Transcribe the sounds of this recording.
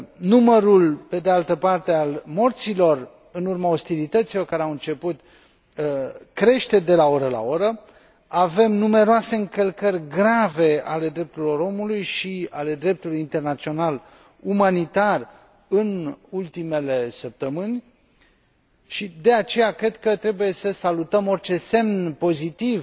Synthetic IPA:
numəɾulpe̞d̪ealt̪əpart̪e̞almo̞rt̪silo̞r | ɨnurmao̞st̪ilit̪ət̪silo̞rkaɾeawɨnt͡ʃe̞put̪ | kɾe̞ʃt̪e̞d̪e̞lao̞ɾəla̰o̞ɾə | ave̞mnume̞ɾoase̞ɨŋkəlkərʲɡɾave̞a̰le̞d̪ɾe̞p̚t̪uɾilo̞ɾo̞mulujʃiale̞d̪ɾe̞p̚t̪ulujint̪e̞rnat̪sio̞nal | umanit̪ar | ɨnult̪ime̞le̞səp̚t̪əmɨnʲ | ʃid̪e̞at͡ʃe̞jakɾe̞d̪kət̪ɾe̞buje̞səsalut̪əmo̞rt͡ʃe̞se̞mnpo̞zit̪iv

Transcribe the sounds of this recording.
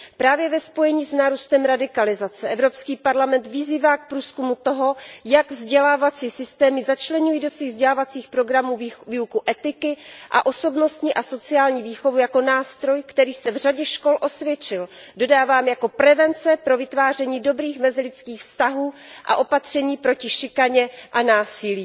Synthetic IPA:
pɾaːvjɛvɛspo̞jɛɲiːsnaːɾust̪ɛmɾadɪkalɪzat͡sɛʔɛvɾo̞pskiːpaɾlamɛnt̪vɪziːvaːk̚pɾuːskumut̪o̞ɦo̞jaɡvzɟɛlaːvat͡siːsɪst̪ɛːmɪzat͡ʃlɛɲujiːdo̞sviːɣvzɟɛlaːvat͡siːxpɾo̞ɡɾamuːviːukuʔɛt̪ɪkɪʔa̰ʔo̞so̞bno̞st̪ɲiʔaso̞t͡sɪaːlɲiːviːxo̞vujako̞naːst̪ɾo̞jkt̪ɛɾiːsɛvr̝aɟɛʃko̞lʔo̞svjɛt͡ʃɪldo̞daːvaːmjako̞pɾɛvɛnt͡sɛpɾo̞vɪt̪vaːr̝ɛɲiːdo̞bɾiːxmɛzɪlɪt͡skiːxfst̪aɦuːʔa̰ʔo̞pat̪r̝̥ɛɲiːpɾo̞cɪʃɪkaɲɛʔanaːsɪliː

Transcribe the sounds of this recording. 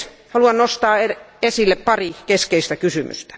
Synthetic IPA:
hɑluɑnnost̪ɑːeesilːeppɑrikeskeist̪ækysymy̰st̪æ̥

